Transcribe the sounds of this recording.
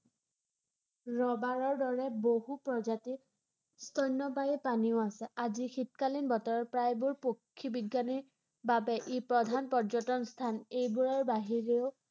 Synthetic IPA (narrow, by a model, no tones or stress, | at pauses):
ɹɔbaɹɔɹdɔɹɛboɦupɹɔzati | stʰɔjnːɔpajipaniʊasɛazixit̚kalinbɔtɔɹɔpɹajbʊɹpokʰːibiɡjani | babɛʔipɹɔdʱanpɔɹd͡ʒɔtɔnst̪ʰanejbuɹaɹbaɦiɹeʊ